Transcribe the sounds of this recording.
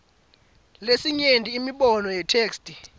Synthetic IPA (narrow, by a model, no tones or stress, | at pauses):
lesiɲendʱiːmiɓɔnɔjɛtʰeːkstʼi